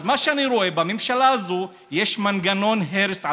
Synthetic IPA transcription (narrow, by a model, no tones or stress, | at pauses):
zmaʃeaniɾo̞e̞bamemʃalaːzu | jeʃmanɡano̞nɦeɾesa